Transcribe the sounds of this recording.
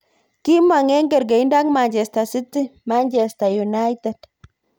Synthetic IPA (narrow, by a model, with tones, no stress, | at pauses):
ki˦ma˨ŋɛ˦ŋɡɛ˨ɾɡe˨i˦nda˦kma˨nt͡ʃɛ˨sta˨si˦ti˦ma˦nt͡ʃɛ˨st̪a˨ju˨na˦jt̪e˨d̥